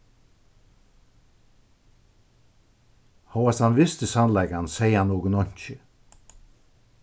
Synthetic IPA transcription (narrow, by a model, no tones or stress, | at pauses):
hɔːɑshɑnʋɪst̪əsɑnlɛɡansæɪɑnoːɡənɔɲçə